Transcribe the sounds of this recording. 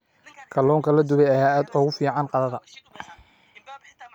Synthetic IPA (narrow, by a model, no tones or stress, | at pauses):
kʰɐlɔːŋkʰɐlɐd̪ʊβɛjɐhaːaːd̪ɔːɣʊfiːʕɑnqɑðɐðɐ